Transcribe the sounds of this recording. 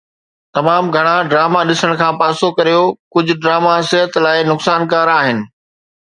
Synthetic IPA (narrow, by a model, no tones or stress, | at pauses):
t̪ɐmaːmɡʱɐɽ̃ãɖɾaːmaɗɪsəɽ̃kʰãːpaːsokɐɾijokʊd͡ʑʱʊ̆ɖɾaːmasɪɦət̪laːɪnʊksaːnkaːɾaːɦɪnɪ̆